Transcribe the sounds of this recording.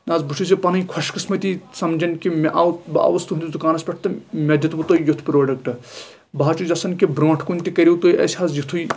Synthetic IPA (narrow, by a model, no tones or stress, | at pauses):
nazbuʃʰusipɐnɐjkʰɐʃkɐsmɐt̪ʲisɐmd͡ʒɐnkimeʔawba̰ːʋɐst̪und̪ʲizd̪ukaːnɐspʲɐʈʰt̪ɨmʲɐd̪ʲjɐt̪but̪oːjjut̪ʰpɾoːɖɐkʈɨ | baɦːt͡ʃuzɐsɐnkibɾõːʈʰkunʲt̪ikɐɾʲiwt̪oːjʔɐ̰sʲhaːzjit̪ʰuj